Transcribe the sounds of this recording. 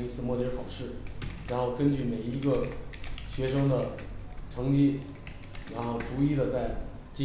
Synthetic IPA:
i˥t͡sʰɹ̩˥˧mwɔ˥˧˩jɛ˥xʰɑ˨˩ʊʂɻ̩˥˩ɻa˧˥nxo˥˩ʊkə˥nt͡ɕy˥˩me˨˩ɪi˧˥ɡə˧ɕɥɛ˧˥ʂɤ˥ŋd̪ə˨ʈ͡ʂʰɤ˧˥ŋt͡ɕi˥ | ɻa˧˥nxo˥˩ʊʈ͡ʂu˧˥i˥˩d̪ə˩t͡sa˥˩ɪ | t͡ɕi˥

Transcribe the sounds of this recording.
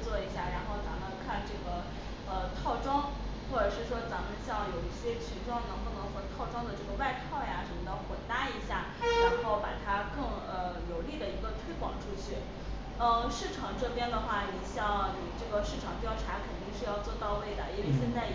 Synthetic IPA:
t͡swɔ˥˩i˧˥ɕja˥˩ɻa˧˥nxo˥˩ʊt͡sa˧˥mə˧nkʰa˥˧nʈ͡ʂɤ˥˩ɡə˩ | ə˧t̪ʰɑ˥˩ʊʈ͡ʂwɑ˥ŋ | xwɔ˥˩ʈ͡ʂɤ˨˩ʂɻ̩˥˩ʂ̬wɔ˥t͡sa˧˥mə˧nɕjɑ˥˩ŋjo˨˩ʊi˥˩ɕjɛ˥t͡ɕʰi˧˥ʈ͡ʂʰwɑ˥˩ŋnɤ˧˥ŋpu˥˩nɤ˧˥ŋxə˧˥t̪ʰɑ˥˩ʊʈ͡ʂwɑ˥ŋd̪ə˨ʈ͡ʂɤ˥˩ɡə˩wa˥˧ɪt̪ʰɑ˥˩ʊja˨˩ʂə˧˥mə˧t̪ɑ˥˩ʊxwɔ˨˩t̪a˥i˧˥ɕja˥˩ | ɻa˧˥nxo˥˩ʊpa˨˩t̪ʰa˥kɤ˥˩ŋ | ə˧jo˧˥ʊli˥˩d̪ə˩i˧˥ɡə˧t̪ʰwe˥ɪkwɑ̰˨˩ŋʈ͡ʂʰu˥t͡ɕʰy˥˩ | ə˥˧ʂɻ̩˥˩ʈ͡ʂʰɑ˧˥ŋʈ͡ʂɤ˥˧pjɛ˥nd̪ə˨xwa˥˩ni˨˩ɕjɑ˥˩ŋni˨˩ʈ͡ʂɤ˥˩ɡə˩ʂɻ̩˥˩ʈ͡ʂʰɑ˨˩ŋt̪jɑ˥˧ʊʈ͡ʂʰa˧˥kʰə˨˩nt̪i˥˧ŋʂɻ̩˥˧jɑ˥˧ʊt͡swɔ˥˧t̪ɑ˥˧ʊwe˥˩ɪd̪ə˩i˥nwe˥˧ɕ̬jɛ˥˧nt͡sa˥˩ɪ

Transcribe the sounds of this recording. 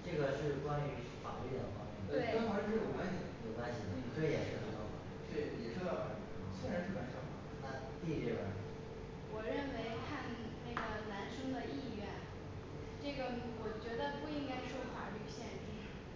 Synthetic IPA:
ʈ͡ʂɤ˥˩ɡə˩ʂɻ̩˥˩kwa˥ny˧˥fa̰˨˩ly˥˩d̪ə̰˨˩xwa̰˥˩˧we˥˩ɑ˥xɑ˧˥ʂɻʂɻ̩˥˩wɔ˨˩kwa˥ɕi˨˧˩jo˨˩kwa˥nɕi˨˩d̪ə˧˩i˨˩k̪ʰə˥˩jɛ̰˨˩ʂɻ̩ə˥˩ə˧˥˩t̪ʰɔ˥˩fa̰˨˩˥t͡ɕ̩˥˩ni˨˩ʈ͡ʂʰɤ˥˩˥ | swe˥ɻa˧˥nʂɻ̩˥˩ma˧˥ʂɑ˥˩fa̰˨˩ | a˥˧ | t̪i˥˩ʈ͡ʂe˥˩wa̰˧˥˩ | wɔ˨˩ɻə˥˩nwe˧˥ɪkʰa˥˧n | na˥˩ɡə˩na˧˥nʂɤ˥ŋd̪ə˨i˥˧ɥɛ˥˩n | ʈ͡ʂɤ˥˩ɡə˩wɔ˨˩t͡ɕɥɛ˧˥d̪ə˧pu˥˩i˥ŋka˥ɪʂwɔ˥xa̰˨˧˥ly˥˩ɡɕjɛ˥˧nʈ͡ʂi˥˩

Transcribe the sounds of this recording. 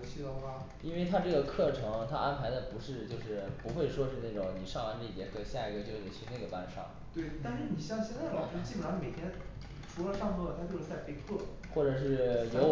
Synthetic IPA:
ɕi˥t̪ʊ˥ŋa˧ | i˥nwe˥˩ɪt̪ʰa˥ʈ͡ʂɤ˥˩ɡə˩kʰɤ˥˩ʈ͡ʂʰɤ˧˥ŋt̪ʰa̰˥ʔa˥npʰa˧˥ɪd̪ə˧pu˧˥ʂɻ̩˥˧t͡ɕjo˥˧ʊʂɻ̩˥˩pu˧˥xwe˥˩ɪʂwɔ˥ʂɻ̩˥˧na˥˩ʈ͡ʂʊ˨˧˩ŋni˨˩ʂɑ˥˩ŋwa˧˥nʈ͡ʂi˥˧˩t͡ɕjɛ̰˧˥kʰɤ˥˩ɕja˥˩i˧˥ɡə˧t͡ɕjo˥ʊʂɻ̩˥˩t͡ɕʰy˥˧ne˥˩ɡə˩pa̰˥˧nʂɑ̰˥˩ŋ | t̪we˥˩ɪt̪a˥˧nʂɻ̩˥˩ni˨˩ɕjɑ˥˧ŋɕjɛ˥˧nt͡sa˥˩ɪlɑ˨˩ʊɻ̩˥t͡ɕi˥˩bə˨˩ɑ˧˥nme˨˩ɪt̪ʰjɛ˥n˩ | ʈ͡ʂʰu˧˥lə˧ʂɑ˥˧ŋpʰt̪ʰa˥t͡ɕjo˥˧ʊʂ̩˥t͡sa˥˧ɪpe˥˧ɪkʰɤ˥˩ | xwɔ˥˩ʈ͡ʂɤ˨˩ʂ̬ɻ̩˥˩jo˧˥ʊ

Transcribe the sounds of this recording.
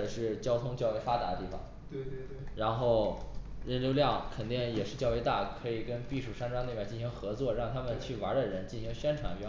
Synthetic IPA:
ʂɻ̩˥˩t͡ɕjɑ˥ʊt̪ʰʊ˥ŋt͡ɕjɑ˥˧ʊe˧˥ɪfa˥t̪a̰˧˥d̪ə˧t̪i˥˩ɑ̰˨˩˦ŋt̪w | ɻa˧˥nxo˥˩ʊɻə˥˩nljo˥˧ʊljɑ˥˩ŋkʰə˨˩nt̪i˥˩ŋjɛ˨˩ʂɻ̩˥˧t͡ɕjʊwe˧˥ɪt̪a̰˥˩kʰɤ˧˥i˨˩kə˥npi˥˧ʂu˥˩ʂa˥nʈ͡ʂwa˥ne˥˧pa˥˩t͡ɕi˥˩nɕi˧˥ŋxɤ˧˥t͡swɔ˥˧ɻɑ˥˩ŋt̪ʰa˥mə˨nt͡ɕʰy˥˩wa˧˥d̪ə˨ɻə˧˥nt͡ɕi˥˩nɕi˧˥ŋɕɥɛ˥nʈ͡ʂʰwa˧˥nɛ˥

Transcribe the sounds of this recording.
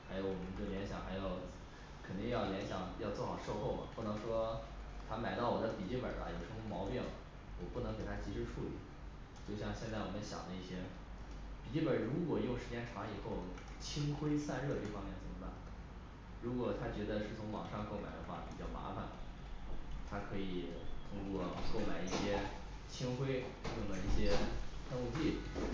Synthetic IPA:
xa˧˥ɪjo˧˥ʊwɔ˨˩mə˧˦nd̪o˥˩ljɛ˧˥nɕjɑ̰˨˩ŋxa˧˥ɪjo˨˧˩ʊ | kʰə˨˩ni˥˧jɑ˥˩ʊljɛ˧˥nɕjɑ˨˩ŋjɑ˥˧ʊt͡swɔ˥˩xɑ˨˩ʊʂo˥˧ʊxo˥˩ʊmɐ̰˨˩pu˥˩nɤ˧˥ŋʂwɔ˥t̪ʰa˥ma˨˩ɪt̪ɑ˥˩wɔ˨˩d̪ə˦pi˨˩t͡ɕi˥˩pə̰˨˩bɐ̰˧jo˧˩ʊʂɻ̩˥˩ʊ˥˧mɑ˧˥ʊpjɛ̰˥˩n | wɔ˨˩pu˥˩nɤ˧˥ŋke˨˩ɪt̪ʰa˥t͡ɕi˧˥ʂɻ̩˥ʈ͡ʂʰu˥˩lḭ˨˩˦ | t͡ɕjo˥˧ʊɕjɑ˥˧ŋɕjɛ˥˧nt͡sa˥˩ɪwɔ˨˩mə˦nɕjɑ̰˨˩ŋd̪ə˧˦i˥˩ɕjɛ˥ | pi˨˩t͡ɕi˥˩pə˞˨˩ɻu˧˥kwɔ˨˩jʊ˥˩ŋʂɻ̩˧˥t͡ɕjɛ˥nʈ͡ʂʰwɑ˧˥ŋi˨˩xo˥˩ʊ | t͡ɕʰi˥ŋxwe˥ɪsa˥˧nɻɤ˥˧t̪i˥˩fɑ˥ŋmjɛ˥˩nt͡sə˨˩mə˦ba̰˥˩˦n | ɻu˧˥kwɔ˨˩t̪ʰa˥t͡ɕɥɛ˧˥d̪ə˧ʂɻ̩˥˩t͡sʰʊ˧˥ŋwɑ̰˨˩ŋʂɑ˥˧ŋko˥˩ʊma̰˨˩ɪd̪ə̰˦xwa̰˥˩pi˨˩t͡ɕjɑ˥˩ʊma̰˧˥fa̰˧n | t̪ʰa˥kʰɤ˧˥i˨˩t̪ʰʊ˥ŋkwɔ˥˧ko˥˩ʊma˨˩ɪi˥˩ɕjɛ˥ | t͡ɕʰi˥ŋxwe˥ɪko˥˩ma˨˧˩i˥˩ɕjɛ˥tʰa˥˧ŋku˥˧t͡ɕi˥˩˨

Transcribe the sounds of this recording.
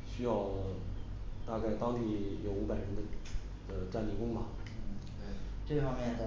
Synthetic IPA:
ɕy˥jɑ˥˧ʊ | t̪a˥˧ka˥˩ɪt̪ɑ˥ŋt̪i˥˩jo˧˩ʊu˧˥pa˨˩ɪɻə˧˥nd̪ə˧ | d̪̥ə˧ʈ͡ʂa˥˧nli˥˩kʊ˥ŋmɐ˨˥˩ | ʈ͡ʂɤ˥˩fɑ˥ŋmjɛ˥˩d̪

